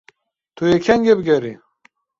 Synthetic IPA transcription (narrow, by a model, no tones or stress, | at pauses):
t̪ʰuekʰɛŋɡebɨɡɛɾi